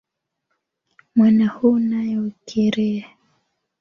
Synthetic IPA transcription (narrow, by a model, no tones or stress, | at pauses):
mwanahunajɔkʰɛɾɛa